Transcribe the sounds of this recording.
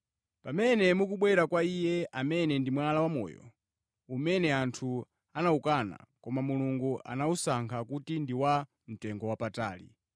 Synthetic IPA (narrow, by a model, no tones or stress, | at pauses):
pamɛnɛmukuɓwɛɾakwaijɛʔamɛnɛndimwalawamɔ̰ːjɔ̰ | umɛnɛantʰu | anaukana̰kɔmamuluŋɡuʔa̰nausaŋkʰakutindiwa | m̩tɛŋɡɔwapata̰ːlḭ